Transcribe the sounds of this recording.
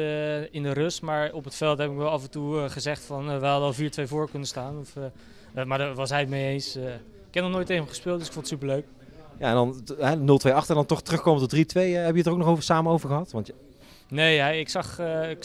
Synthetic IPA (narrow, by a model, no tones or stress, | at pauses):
ɪndərøstmaːɹɔpətfɛlˠtɦɛbɪkʋɛlˠɑfəntuχəzɛχtfɑnʋɛɦɑdəɑlˠviːɹtʋejvʊːɹkɵnəstaːnɔf | maːɹdəʋɑsɦɛjtmejejns | ɪkɛp̚nɔχnoːjtevəχəspɪːlˠdøsɪkfɔndətsypəɹløɥk | jaɛndɑnɦɛnɵlˠtʋejɑχtəndɑntɔχtərɵxkowmətɔdritʋejɦɛbjətərok̚nɔχowvəɹsaːmənowvəɹχəɦɑtʋɑn | nejɦɛjɪksɑχ